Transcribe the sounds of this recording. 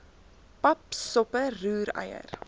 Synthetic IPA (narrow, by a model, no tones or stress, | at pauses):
pɐpsɔpəːʉːɾɛ̰jə̰r